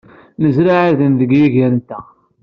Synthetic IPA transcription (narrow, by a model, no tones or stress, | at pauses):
məzɾaʕiðənðəɡjiʝæɾənt̪æ